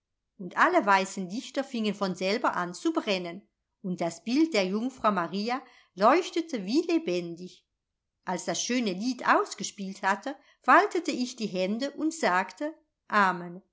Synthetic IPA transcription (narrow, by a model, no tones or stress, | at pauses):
ʔʊntʔaləvaɪsn̩dɪçtɐfɪŋənfɔnzɛlbɐʔa̰nt͡subʁɛnən | ʊnt̚d̥asb̥ɪlt̚d̥eːɐjʊŋfʁ̥aʊmaʁiːa | lɔʏçtətʰəviːlebɛndɪç | ʔalsd̥asʃøːnəliːtʰʔa̰ʊsɡ̥əʃpiːlthatə | faltətəɪçd̥iːɦɛndəʔʊntz̥aːktə | ʔaːmən